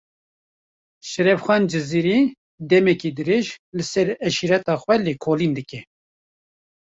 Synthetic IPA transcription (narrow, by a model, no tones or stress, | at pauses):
ʃɛɾɛfxʷɑːnd͡ʒɨziːɾiː | d̪ɛmɛkiːd̪ɨɾeːʒlɨsɛɾɛʃiɾɛt̪ɑːxʷwɛlekʰoːliːnd̪ɨkɛ